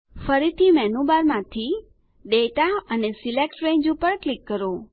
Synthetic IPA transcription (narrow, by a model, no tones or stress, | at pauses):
fəɾit̪ʰimɛnũbaɾmãt̪ʰi | ɖeʈaənesilek̚ʈɾeɲd͡ʒũpəɾklikːəɾo